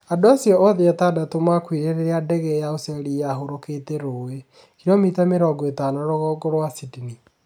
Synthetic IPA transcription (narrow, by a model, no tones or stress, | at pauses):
adoasjɔʔɔðeatadatomakwiɾeɾeɾeadɛɣɛjaosiɔɾiaɦoɾoketeɾoːwe | kiɾɔmitameɾɔɡɔetanaɾoɣɔɡɔɾwasidini